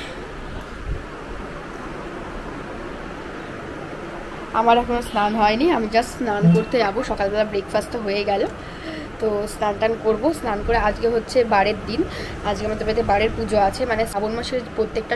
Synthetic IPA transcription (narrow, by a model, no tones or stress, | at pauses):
a̰maɾɛkʰonosnanɦɔeniamid͡ʑasnankoɾt̪eaboʃɔkalbɛlabɾekfast̪oɦojeɡɛlo | t̪osnanʈankoɾbosnankoɾead͡ʑɡeɦotːɕʰebaɽeɾd̪in | ad͡ʑɡeamad̪eɾbet̪ebaɽeɾpud͡ʑʱoat͡ɕʰemanesabonmaʃeɾpɾot̪ːek̚ʈa